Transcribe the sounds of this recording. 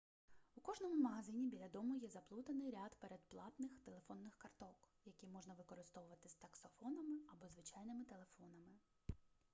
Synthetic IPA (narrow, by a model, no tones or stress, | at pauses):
ukɔʒnɔmʊmɐɦɐzɪnʲibʲilʲɐd̪ɔmʊjɛzɐplˠut̪ɐnɪjɾʲad̪peɾed̪̚plˠɑt̪nɪxt̪elˠe̞fɔnːɪxkɐrt̪ɔk | jɐkʲimɔʒnɐʋɪkɔɾɪst̪ɔʋʊʋɐt̪ɪst̪ɐksɔfɔnɐmɪɐbɔzʋɪt͡ʃɑjnɪmɪt̪e̞lˠefɔnɐmɪ